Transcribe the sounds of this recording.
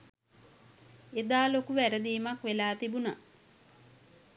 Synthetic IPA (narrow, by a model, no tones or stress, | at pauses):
ed̪aːlokuʋæɾəd̪iːmakʋelaːt̪ibuna